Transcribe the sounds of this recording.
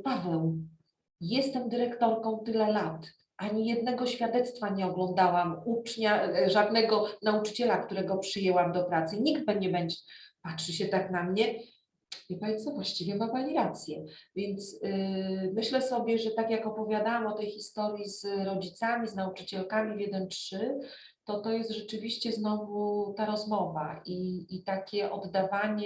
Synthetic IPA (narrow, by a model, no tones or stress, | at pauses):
pavɛw | jɛst̪ɛmd̪ɘɾɛkt̪ɔɾkɔ̃w̃t̪ɘlɛlat̪ | ʔaɲijɛd̪̚nɛɡɔɕfʲjad̪ɛt̪st̪faɲɛɔɡlɔnd̪awamut͡ʂɲaʐad̪nɛɡɔnaut͡ʂɘ̥t͡ɕɛlakt̪uɾɛɡɔpʂɘjɛwamd̪ɔpɾat̪sɘɲiɡd̪̚bɛd͡ʑɛbɛɲd͡ʑɛpatʂɘɕɛt̪aknamɲɛ | vʲɛpavʲɛnsɔvwaɕt͡ɕivʲjɛmabaɲiɾat̪sʲjɛvʲjɛnt̪s | mɘɕlɛsɔbʲjɛʐɛt̪akjakɔpɔvʲjad̪awamɔt̪ɛjxʲist̪ɔɾjizɾɔd͡ʑit̪samʲiznaut͡ʂɘ̥t͡ɕɛlkamʲivʲjɛd̪ɛntʂɘ | t̪ɔt̪ɔjɛst̪ʐɛt͡ʂɘvʲiɕt͡ɕɛznɔvut̪aɾɔzmɔvaʔiːt̪akʲɛʔɔd̪ːavaɲɛ